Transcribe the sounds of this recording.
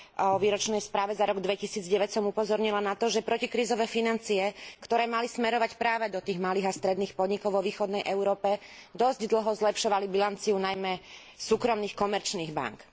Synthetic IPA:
ɔʋiːɾɔt͡ʃnɛjspɾaːʋɛzaɾɔɡd̪ʋɛcisiːd͡zɟɛʋɛcsɔmupɔzɔɾɲilanat̪ɔʒɛpɾɔcikɾiːzɔʋɛːfinant͡siɛkt̪ɔɾɛːmalismɛɾɔʋacpɾaːʋɛd̪ɔt̪iːɣmaliːɣast̪ɾɛd̪niːxpɔd̪ɲikɔʊʋɔʋiːxɔd̪nɛjʔɛʊɾɔːpɛd̪ɔzɟd̪l̩ɦɔzlɛpʃɔʋalibilant͡siunajmɛ | suːkɾɔmniːxkɔmɛɾt͡ʃniːɣba̰ŋk

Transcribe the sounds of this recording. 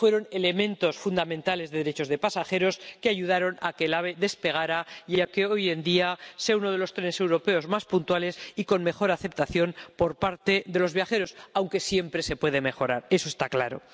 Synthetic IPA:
fwe̞ɾo̞ne̞le̞mẽ̞nt̪o̞sfund̪amẽnt̪ale̞zðe̞ðeɾe̞t͡ʃo̞zðe̞pasaxe̞ɾo̞skeaʝuð̞aɾo̞nakelaβ̞e̞ðe̞spe̞ɣ̞aɾajeakeo̞je̞nd̪iaseauno̞ð̞e̞lo̞st̪ɾene̞se̞wɾo̞pe̞o̞zmaspunt̪wale̞siko̞nme̞xo̞ɾaθe̞p̚t̪aθjo̞npo̞ɾpaɾt̪e̞ðe̞lo̞zβjaxe̞ɾo̞sawŋke̞sje̞mpɾese̞pwe̞ð̞e̞me̞xo̞ɾaɾe̞so̞est̪aklaɾo̞̰

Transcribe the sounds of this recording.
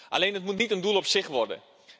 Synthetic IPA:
ʔa̰leːnətmutnitəndulˠɔpsɪxʋɔrdə̰

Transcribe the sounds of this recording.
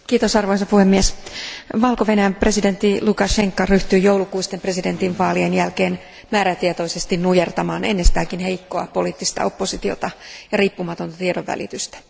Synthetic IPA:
kiːt̪osɑrʋoisɑpuhemːiɛsʋɑlko̞ʋe̞næjæmpre̞side̞nt̪ːilukɑʃe̞ŋkːɑryht̪yːjowlukuist̪empre̞side̞nt̪inʋɑːlienjælke̞ːn | mæːɾæt̪iet̪o̞isest̪innujert̪ɑmɑːne̞̰nːest̪æːkinhe̞jkːoɑ̰po̞liːt̪ːist̪ɑ̰o̞pːo̞sit̪io̞̰t̪ɑjɑriːpːumɑt̪o̞nt̪ɑt̪iedoʋʋæ̰lḭt̪yst̪æ̥

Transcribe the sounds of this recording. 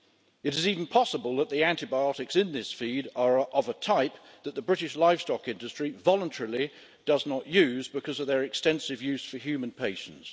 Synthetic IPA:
ɨɾɨziṽn̩pʰɑsəbəlˠðət̪̚ðiæ̃ntɨbaɪɒɾɨksɪ̃nðɪsfiɾə˞ʔəvətʰaɪp̚ | ðət̪̚ðəbɹɪɾɨʃlaɪv̥stɒkɪ̃ndɨstɹ̥ivɑlˠə̃ntʰɛɹəl̩ˠi | d̥ʌznəʔjʉzbɨkʰʌzʌvðə˞ɨkstɛ̃nsɨvjʉz̥fəɦjʉmɨ̃npʰeɪʃn̩ts

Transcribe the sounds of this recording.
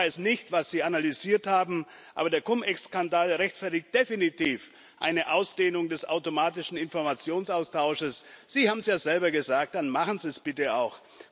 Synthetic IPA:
aɪsnɪçtv̥asz̥iːanalyziːɐthaːbm̩ | ʔa̰ːbɐdeːɐkʰʊmʔɛkskandaːlʁɛçtfɛɐtɪç̚t̚d̥efinitʰiːf | ʔa̰ɪnəʔaʊsd̥eːnʊŋdɛsa̰ʊtomaːtɪʃn̩ɪnfɔɐmat͡sjoːnsaʊstʰaʊʃəsz̥iːhaːbm̩sjaːzɛlbɐɡəzaːk̚t̚d̥anmaχn̩ziːɛsb̥ɪtəaʊx

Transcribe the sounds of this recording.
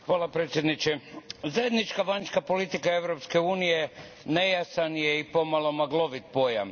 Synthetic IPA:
xʋaːlapɾet̪sʲjed̪nit͡ʃezaje̞d̪nit͡ʃkaʋanskapo̞lit̪ikae̞ʋɾopske̞uːnije | nejasanjeipo̞malˠo̞maɡlo̞ʋit̪̚po̞ja̰m

